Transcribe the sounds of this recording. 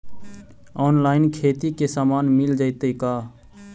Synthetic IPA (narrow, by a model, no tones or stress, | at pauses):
ɔːnlaːɪnkʰeːt̪ikesaːmaːnmild͡ʒaɪt̪əka